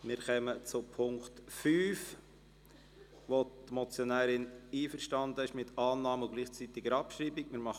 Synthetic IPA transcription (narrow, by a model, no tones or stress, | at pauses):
mɪɾχœmət͡sʊpʰʊŋktfyːf | ʋot̪mɔt͡sjonæːɾɪniːfəɾʃtɑnd̪əɪʃmɪtʰɑːnːɑːmʊɡliːχt͡siːt̪ɪɡəɾɑpʃɾiːbɪkmɪːɾmɑ